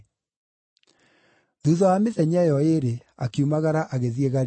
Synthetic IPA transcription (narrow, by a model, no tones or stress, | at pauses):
ðuðɔameðɛɲɛjɔeɾe | akiumaɣaɾaʔaɣeðieɣaɾ